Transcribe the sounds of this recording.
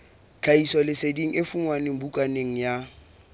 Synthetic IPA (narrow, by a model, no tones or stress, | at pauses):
t͡ɬʰaisɔlɪsediŋ̩ɪfuŋwanɪŋ̩bukʼaneŋ̩ja